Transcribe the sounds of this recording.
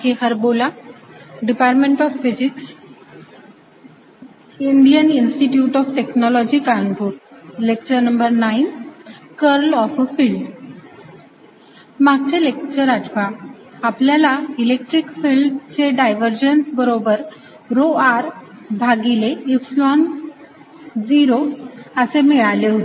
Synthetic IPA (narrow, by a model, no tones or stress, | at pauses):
kiɦəɾbola | ɖipaɾʈmẽɳʈɔfːisiks | iɳɖijəninsʈiʈjuːʈɔfʈeknɔlɔd͡ʑiːkaɳpuːɾlek̚t͡ɕəɾnəmbəɾnainkəɾlɔffilɖ | maɡ̚t͡ɕelekt͡ɕəɾaʈʰʋa | apljalailek̚ʈɾikfilɖt͡ɕeɖajʋəɾd͡ʑənsbəɾobəɾ | ɾoaɾbʱaɡileikslɔn | d͡ziɾoəsemeɭaleɦot̪ee